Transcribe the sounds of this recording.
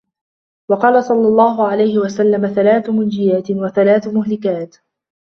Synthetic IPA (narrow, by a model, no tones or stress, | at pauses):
wɑqɑːlasˤɑlːɑlˤːɑːɦʊʕalajhɪwasalːamaθalaːθmʊnd͡ʒɪjaːt̪waθalaːθmʊɦlɪkaːt̪